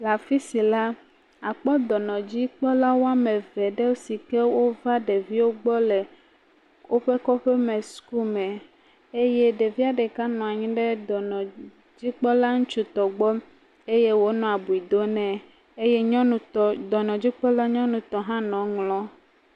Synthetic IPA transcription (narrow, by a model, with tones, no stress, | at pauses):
la˨fi˦si˨la˦ | a˨k͡pɔ˦d̪ɔ˨nɔ̃˨d͡ʑi˦k͡pɔ˦la˦wo˦a˦mẽ˨vɛ˨ɖe˦wo˦si˨ke˦wo˦va˦ɖe˨vi˦wo˦ɡ͡bɔ˦le˨ | wʔo˦ɸe˦kɔ˦ɸe˦mɛ̃˨su̥˦ku˦mɛ̃˨ | e˦je˦ɖe˨vi˦a˦ɖɛ˨ka˦nɔ̃˨a˨ɲĩ˦ɖe˦d̪ɔ˨nɔ̃˨ | d͡ʑi˦k͡pɔ˦la˦ŋũ˦t͡ʃu˦t̪ɔ˨ɡ͡bɔ˦m | e˦je˦wo˦nɔ̃˨a˨bu˨i˨d̪o˦nɛ̃˦ | e˦je˦ɲɔ̃˦nũ˨ɔ˨d̪ɔ˨nɔ̃˨d͡ʑi˦k͡pɔ˦la˦ɲɔ̃˦nũ˨t̪ɔ˨ɦã˦nɔ̃˨ŋlɔ̃˦